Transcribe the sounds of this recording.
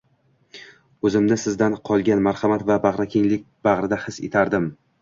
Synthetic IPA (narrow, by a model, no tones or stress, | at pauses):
ɵzɪmnɪsɪzd̪anqʰɒlˠɡʲanmaɾhɑmat̪vabɑʁɾakʲʰeŋlɪk̚ʲb̥ɑʁɾɪd̪ahɪsḛt̪ʰaɾd̪ɪm